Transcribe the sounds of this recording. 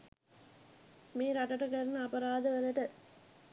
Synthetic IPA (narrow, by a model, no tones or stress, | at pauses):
meːɾaʈɐʈəkɐɾnəɐpɐɾaːd̪əʋələʈə